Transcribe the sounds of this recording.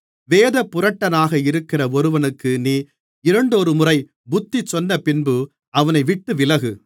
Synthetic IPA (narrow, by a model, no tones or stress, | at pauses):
ʋeːðɐpːʊɾɐʈːɐnaːɣɐɪɾɯkːɪrɐɔɾɯʋɐnɯkːɯniː | ɪɾɐɳɖɔɾɯmʊrɐɪ | bʊt̪ːit͡ʃːɔnːɐpɪnbɯ | ɐʋɐnɐɪʋɪʈːɯʋɪlɐɣɯ